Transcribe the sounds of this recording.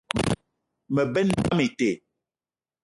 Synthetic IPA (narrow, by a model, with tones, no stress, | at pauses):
mə˨bɛ˦n˦da˦me˨te˨